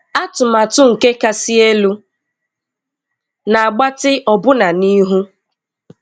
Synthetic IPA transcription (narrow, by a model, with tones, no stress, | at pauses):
a˦tʊ˨ma˨tʊ˦ŋ̩˨ke˦ka˦si˦e˦lu˦ | na˨a˨ɡ͡ba˦tɪ˦ʔɔ˨bʊ˦na˨ni˦ɦu˦